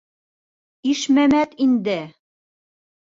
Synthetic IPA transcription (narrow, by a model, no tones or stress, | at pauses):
iʃmæmæt̪ind̪ɘ